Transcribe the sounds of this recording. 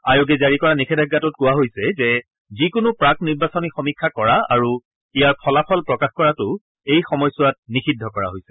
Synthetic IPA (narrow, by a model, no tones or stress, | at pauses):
ajoɡɛzaɹikɔɹanikʰɛdʱaɡːatʊt̚kʊwaɦojsɛzɛ | zikʊnʊpɹak̚niɹbasɔnixɔmikʰːakɔɹaa̰ɹu | ijapʰɔlapʰɔlpɹɔkaxkɔɹatʊ | ejxɔmɔjsʊat̚nixidʱːɔkɔɹa̰ɦojsɛ̥